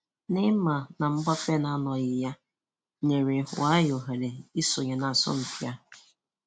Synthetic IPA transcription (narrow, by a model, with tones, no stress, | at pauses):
nɪ˦ma˨na˨m̩˦ɡ͡ba˦fe˦na˦nɔ˨ɣɪ˨ja˦ | ɲe˨ɾe˨hʊ̰˨a˦jo˨ɦe˨le˨i˦sʊ˨ɲe˨na˨sɔ̰˦m̩˨tja˦